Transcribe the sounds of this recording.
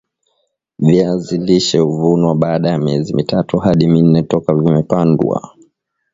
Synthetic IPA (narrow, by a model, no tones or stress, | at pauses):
viaziliʃɛuvunwaɓaːɗajamiɛzimʔitatuhaɗimin̩nːɛtɔkavimɛpandwa̰